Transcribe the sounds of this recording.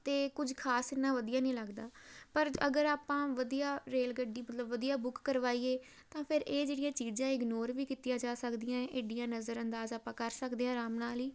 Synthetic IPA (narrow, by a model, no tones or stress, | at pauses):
t̪eːkʊd͡ʒʱkʰaːsɪnːãːʋəd̪ijaːnĩːləɡd̪aːpəɾə̰ɡəɾaːpãːʋəd̪ijaːɾeːlɡəɖiːmət̪ləbʋəd̪ijaːbʊkːəɾʋaːiːeː | t̪ãːpʰɪɾeːd͡ʒeːɽɪjãːt͡ʃiːzãːɪɡnoːɾʋiːkiːt̪ɪjãːd͡ʒaːsəkd̪ɪjãːeːɖijãːnəzəɾənd̪aːzaːpãːkəɾsəkd̪eːãːɾaːmnaːliː